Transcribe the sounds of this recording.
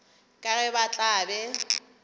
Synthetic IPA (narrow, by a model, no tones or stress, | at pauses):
kʼarɛbat͡ɬʼaːbɛ